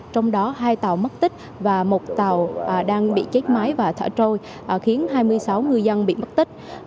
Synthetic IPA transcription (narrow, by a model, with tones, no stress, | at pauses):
t͡ɕɔ˧wŋ͡mɗɔ˨˦ɦaː˧jt̪a˨˩wmə˦˥t̚t̪ï˦˥k̟̚ | vaː˨˩mo˨˩t̚t̪a˨˩wɗaː˧ŋɓḭ˧˨t͡ɕe˦˥k̚ma˨˦jvaː˨˩t̪ʰə̰ː˧˩t͡ɕo˧j | ʔxi˨˦ənɦaː˧jmɨ˧əjsa˨˦wŋɨ˨˧əjzə˧nɓḭ˧˨mə˦˥t̚t̪ï˦˥k̚